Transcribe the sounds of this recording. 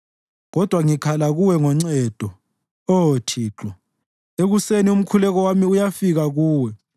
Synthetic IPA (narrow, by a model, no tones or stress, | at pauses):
ɣɔd̥ʱwaŋikʰalaɣuwɛŋɔŋ͡ǀɛːd̥ʱɔ | otʰiːǁɔ | eɣusenium̩kʰulɛɣɔwamiujafiɣaɣuːwɛ